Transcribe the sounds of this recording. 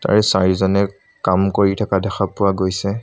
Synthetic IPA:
ta̰ɹɛsaɹizɔnɛ | kamkoɹitʰakadɛxapʊwaɡojsɛ

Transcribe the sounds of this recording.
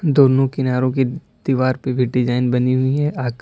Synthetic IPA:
d̪oːnõkɪnaːɾõke | d̪̥iʋaːɾpebʱɪʈːɪd͡ʒaːɪnbɐniɦʊiɦɛʔaːk

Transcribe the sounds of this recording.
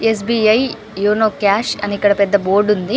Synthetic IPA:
es̬biːɐj | joːnoːkaːʃɐ̰nikːɐɽɐpɛd̪ːɐboːɾɖund̪i

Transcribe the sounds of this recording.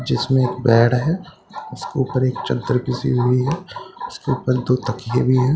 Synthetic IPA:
d͡ʒɪsmẽeːkbɛːɽɦɛː | ʊskeuːpəɾeːkt͡ʃɐ̰d̪d̪əɾkisḭɦʊiɦɛʊskeuːpəɾd̪oːt̪ɐkijebʱiɦɛː

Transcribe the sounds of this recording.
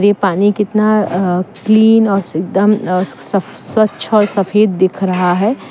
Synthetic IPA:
ɾepaːnikɪt̪nakliːnɔːɾsɪk̚d̪əmsɐswɐtːʃʰɔːɾsɐfeːd̪ːekʰɾɐɦaɦɛː

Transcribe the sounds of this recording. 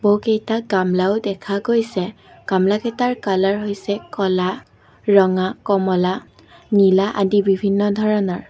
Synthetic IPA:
bowkejtaɡamlaʊdɛkʰaɡojsɛ | ɡ̥amlakɛtaɹkalaɹɦojsɛkɔla | ɹɔŋakɔmɔla | nilaʔa̰dibibʱinːɔdʱɔɹɔnɔɹ

